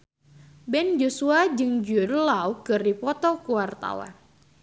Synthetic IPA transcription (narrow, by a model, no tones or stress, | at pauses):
bɛnd͡ʒosuad͡ʒɨŋd͡ʒudəlawkɨripɔt̪ɔkuwart̪a̰wa̰n